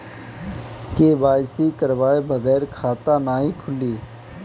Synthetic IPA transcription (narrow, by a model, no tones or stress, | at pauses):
keːʋaːsiːkəɾʋaːebəɣɛːɾkʰaːt̪aːnaːɦiːkʰʊliː